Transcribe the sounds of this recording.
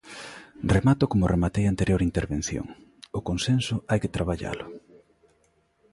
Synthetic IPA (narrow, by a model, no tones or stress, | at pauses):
remat̪ʊkomʊremat̪ejant̪eɾjoɾint̪eɾβen̟θjo̰ŋ | ʊkonsensʊajket̪ɾaβaʎa̰lʊ